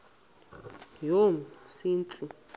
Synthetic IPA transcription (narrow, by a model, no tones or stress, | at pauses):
jom̩sint͡sʼi